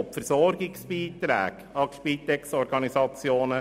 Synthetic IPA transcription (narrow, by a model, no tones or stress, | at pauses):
opfəɾsɔɾɡɪksb̥iːt̪ɾɛ̰ːɡ̥ | ɑkʃpiːt̪ɛksɔɾɡɑnisɑt͡sjoːnə